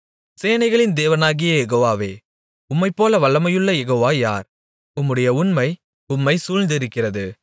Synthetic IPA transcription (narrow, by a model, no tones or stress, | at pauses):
seːnɐɪɣɐɭɪnd̪eːʋɐnaːɣɪjɐjɛɣoːʋaːʋeː | ʊmːɐɪpːoːlɐʋɐɭːɐmɐjɯɭːɐjɛɣoːʋaːja̰ːɾ | ʊmːɯɽɐjɐʊnmɐɪ | ʊmːɐɪsuːɻnd̪ɪɾɯkːɪrɐðɯ